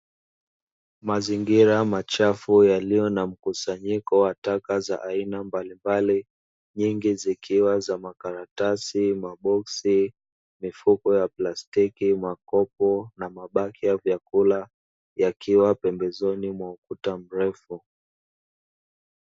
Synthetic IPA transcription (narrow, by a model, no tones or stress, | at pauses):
maziŋɡiɾamat͡ʃafujalijɔnam̩kusaɲikɔwatakaza̰ʔainambalimbali | ɲiŋɡizikiwazamakaɾatasimaɓɔksi | mifukɔjaplastikimakɔpɔnamaɓakijavjakula | jakʰiwapɛmbɛzɔnimwaukutam̩ɾɛfu